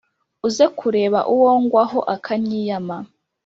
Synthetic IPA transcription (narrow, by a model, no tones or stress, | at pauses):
uzekʰuɾe̞ːβa̰ʔuwoːŋɡwaɦo̞ʔakʰaɲiːjama